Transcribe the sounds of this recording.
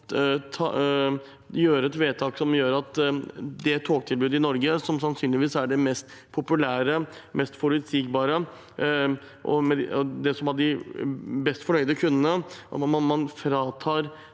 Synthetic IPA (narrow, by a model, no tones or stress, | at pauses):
t̪ʰɑ̰ | jøːɾəɛt̪ʋeːt̪ʰɑːksɔmjøːɾɑt̪d̪ɛt̪ʰːoːk̚t̪ʰɪlbʉːd̪ɪnɔɾɡəsɔmsɑnsyːnlɪʋiːsæɖɛmɛst̪ | pʰʊpʉlæːɾəmɛst̪fɔɾʉt̪siːk̚bɑːɾə | ʔɔ̰mɛd̪ɛsɔmɑɖɪ | bɛst̪fɔɳœʏd̪əkʰʉnd̪ənəɑ̰ɑmɑnfɾɑːt̪ʰɑːɾ